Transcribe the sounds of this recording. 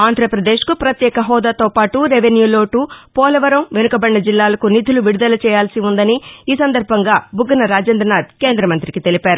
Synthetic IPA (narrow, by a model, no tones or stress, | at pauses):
aːnd̪ʱɾɐpɾɐd̪eːʃkupɾɐt̪jɛːkɐɦɔːd̪aːt̪oːpaːʈuɾeʋenjuːloːʈupɔːlɐʋɐɾɐmʋenukɐbɐɳːɐd͡ʒilːaːlɐkunit̪ʰuluʋiɽud̪ɐlɐt͡ʃɛːjaːlsiund̪ɐniiːsɐnd̪ɐɾbʱɐŋɡaːbʱuɡɐnɐɾaːd͡ʒeːnd̪ɾɐnaːd̪̚ke̞ːnd̪ɾɐmɐnt̪ɾikit̪e̞lipaːɾu